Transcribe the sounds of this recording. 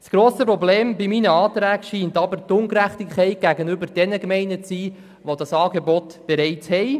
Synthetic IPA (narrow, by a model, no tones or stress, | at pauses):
sɡ̥ɾoːsəpɾɔbleːmbiminəɑːt̪ɾæːɡ̥ʃiːntɑbəɾtʊŋkɾæχtikχɛɪɡ̥æɡənʏbəɾd̥ɛnəkmɛɪnət͡siː | ʋodɑsɑːɡebɔt̪b̥ɛɾɛɪthɛj